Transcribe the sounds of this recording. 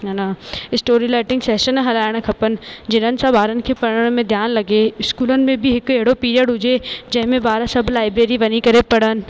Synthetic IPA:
naɪsʈoːɾilaːɪʈɪ̃ŋɡsɛːʃənɦɐlaːɪɽ̃kʰɐpən̆d͡ʑɪnənɪ̆sãbaːɾənɪ̆kʰepɐɽəəɽ̃mẽd̪ʱjaːnlɐɡeɪskuːlənɪ̆mẽbʱiɦɪkɐɦɪɽopiːɾijəɖɦʊd͡ʑed͡ʑɐ̃ɦɪ̃mẽbaːɾsɐbʱlaːɪbɾeːɾiʋɐnikɐɾepɐɽənɪ̆

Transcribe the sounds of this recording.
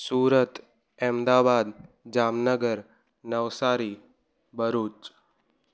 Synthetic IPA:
suːɾət̪ | ɛmd̪aːbaːd̪ | d͡ʒaːmnəɡəɾ | nəʋsaːɾi | bəɾuːt͡ʃ

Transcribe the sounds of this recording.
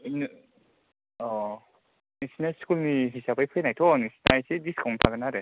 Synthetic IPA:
n | ɔ | nɯsinaskʰulniɦisabɯjpʰɯenajtʰonɯsi̥najsidiskɔŋtʰaɡɯnaɾe

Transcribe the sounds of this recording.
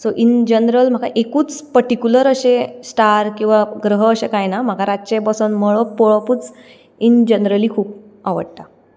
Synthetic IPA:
soʔind͡ʑənɾəlm̤aka̰ʔekuːt͡spəɾʈikjuləɾəɕesʈaɾkĩw̃ʋaɡɾəɦəːɕekajnam̤akaɾaɕebəsonməɭopɔɭəpuːt͡s | ind͡ʑənɾəliːkʰuːp̚ | aʋə̰ɽt̪a

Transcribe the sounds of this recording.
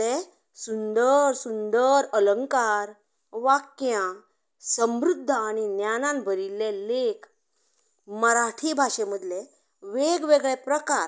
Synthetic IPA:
e | sund̪əɾsund̪əɾələŋkaɾ | ʋakjã | səmɾud̪ʱːəːɽ̃injanãnbʱəɾilelekʰ | məɾaʈʰibʱaʂeməd̪le | ʋeɡʋeɡɭepɾəkaɾ

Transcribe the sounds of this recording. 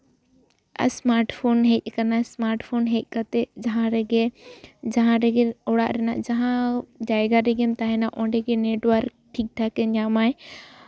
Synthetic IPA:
ɐ̰smaɾʈfʰonɦec̚ʲkɐnasmaɾʈpʰonɦec̪̚kɐt̪ed͡ʒɐɦãɾeɡed͡ʒɐɦãɾeɡeoɽa̰ʔɾɛna̰ʔd͡ʒɐɦãd͡ʒajɡaɾeɡemt̪aɦenaʔɔ̃ɳɖeɡeneʈwəɾk̚ | ʈʰik̚ʈʰakeɲamaj

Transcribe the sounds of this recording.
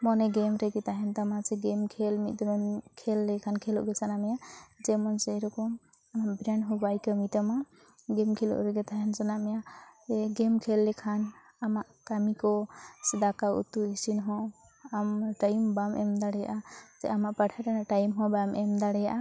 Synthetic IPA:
mɔnɛɡɛmɾɛɡɛt̪aɦɛnt̪amat͡ʃɛɡɛmkʰɛlmit̪̚d̪ɔɾɔnkʰɛlːɛkʰankʰɛlɔ̰ʔɡɛt͡ʃanamɛjad͡ʒɛmɔnsɛɾɔkɔm | amaʔbɾɛɳɖɦɔbajkəmit̪ama | ɡɛmkʰɛlɔ̰ʔɾɛɡɛt̪aɦɛnzɔnamɛjaɛɡɛmkʰɛlːɛkʰan | amaʔkamikɔsɛd̪akaṵt̪ːuisinɦɔ̃ | amʈajmbamʔɛmd̪aɽɛjaʔazɛ̰ʔamaʔpaʈʰaɾanaʈajmɦɔ̃bmɛmd̪aɽɛjaʔa

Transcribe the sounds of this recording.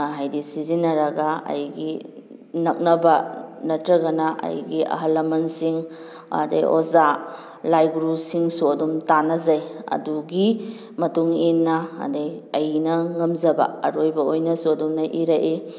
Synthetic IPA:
ɦajdisizinːɐɾɐɡaɐ̰jɡi | nɐk̚nɐbɐnɐtɾɐɡɐnaʔɐ̰jɡiʔɐ̰ɦɐlːɐmɐnsiŋ | a̰dḛjʔoza | lajɡɾusiŋsuɐdumtanɐzajɐ̰duɡi | mɐtuŋinːɐɐ̰dejɐjnɐŋɐmzɐbɐ̰ɐ̰ɾojbɐojnɐsuɐdumnɐʔiɾaʔi

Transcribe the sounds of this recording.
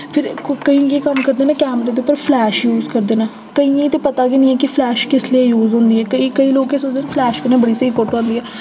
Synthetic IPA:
pʰɪɾkəĩːjeːkəmkəɾd̪eːnãːkɛːmɾeːd̪eːʊpːəɾpʰlɛːʃjuːzkəɾd̪eːnãː | kəĩːĩːt̪eːpət̪aːɡenĩːɛːkɪpʰlɛːʃkɪslieːjuːzɦʊ̃nd̪iːɛːkəiːkəiːloːkːeːsod̪eːnaːpʰlɛːʃkənẽːbəɽiːseːiːkoʈãːnd̪iːɛː

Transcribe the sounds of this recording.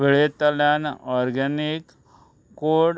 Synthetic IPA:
eɭet̪əljanɔɾɡanikː | oɽ

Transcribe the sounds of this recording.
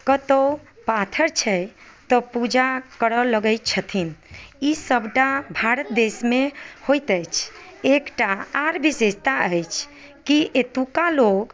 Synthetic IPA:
kət̪opat̪ʰəɾt͡ʃʰɛj | t̪ɔpud͡ʒakəɾələɡəɪt̪t͡ʃʰət̪ʰinisəbʱʈabʱaɾət̪̚d̪esmehojt̪əjt͡ʃʰekʈaaɾbisest̪aəjt͡ʃʰ | kiʔet̪ukaloɡ

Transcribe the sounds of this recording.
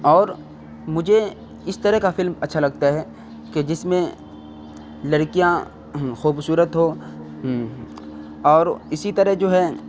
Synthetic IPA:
ɔːɾ | mʊd͡ʒʱe | ɪst̪ɐɾəɦkafɪlmɐtːʃʰalɐɡ̚t̪aɦɛ | ked͡ʒɪsmẽ | lɐɾkijã | xuːbsuːɾət̪ɦo | ɔːɾɪsit̪ɐɾəɦd͡ʒoːɦɛ

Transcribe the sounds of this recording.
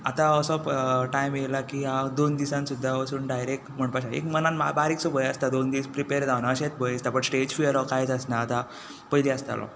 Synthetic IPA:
at̪aəsɔpʈajmjelakiɦad̪ond̪isãnsud̪ʱːaəsuːnɖajɾek̚ʈm̤əɳpaɕaḛkmənanma̰baɾiksubʱəjəst̪ad̪ond̪ispɾipeɾd͡zawnaəɕet͡sbəjəst̪apəɳsʈed͡ʑfiəɾɔkajt͡səsnaːt̪a | pəjleəst̪a̰lɔ̰

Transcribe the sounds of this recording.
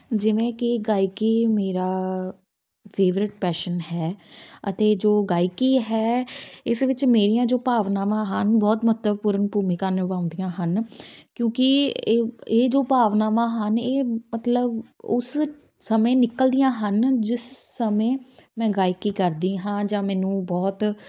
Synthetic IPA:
d͡ʒɪʋẽːkɪɡaːikiːmeːɾaː | pʰeːʋɾɪʈ̚pɛːʃənɦɛːət̪eːd͡ʒoːɡaːikiːɦɛːɪsʋɪt͡ʃmeːɾijãːd͡ʒoːpaːʋnaːʋãːɦənbɔːt̪mət̪ləbpʊɾənpuːmɪkaːnɪʋãːʊ̃nd̪ijãːɦənkjõːkɪ | eːd͡ʒoːpaːʋnaːʋãːɦəneːmət̪ləbʊs | səmẽːnɪkəld̪ɪjãːɦənd͡ʒɪssəmẽːmɛ̃ːɡaːikiːkəɾd̪iːɦãːd͡ʒãːmɛːnũːbɔːt̪

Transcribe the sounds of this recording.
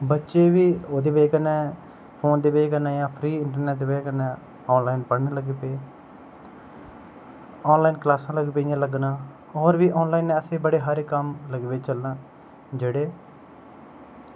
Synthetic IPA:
bətːʃeːʋiːoːd̪eːʋeːkənɛː | pʰoːnd̪eːʋeːkənaːjãːpʰɾiːɪɳʈəɾnɛːʈ̚d̪eːʋeːkənɛ̃ː | ɔːnlaːinpəɽnẽːləɡeːpeː | ɔːnlaːinklaːsãːləɡeːpeijãːləɡnãː | ɔːɾʋiːʔɔːnlaːinːɛːəseːbəɽeːɦaːɾeːkəmləɡʋeːt͡ʃəlnãː | d͡ʒeːɽeː

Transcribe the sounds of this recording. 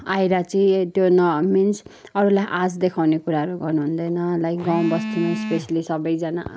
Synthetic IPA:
ajɾat͡sʌĩt̪jonʌmins | ʌɾulajʔasd̪ekʰawnekuɾaɦʌɾuɡʌrnuɦund̪ʌjnʌlajɡʌ̃w̃bʌst̪ʰinʌspesalisʌbʌjd͡zʌna̰

